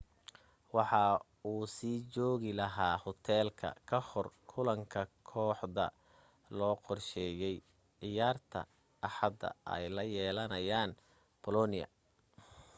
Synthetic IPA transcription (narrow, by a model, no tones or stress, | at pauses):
wɑħɑ | uːsiːt͡ʃɔːɣɪlɐɦaːhɔt̪ʰɛːlkʰɐ̰kʰɐhɔrkʰʊlɐŋkʰɐkʰɔːħðɐ̰ | lɔːqɔrʃɛːjɛj | ʕɪjaːrt̪ʰɐ̰ | ʔɑħɑd̪ɐ̰ɛ̰jlɐjɛːlɐnɐjaːn | pʰɔlɔnɪjɐ̰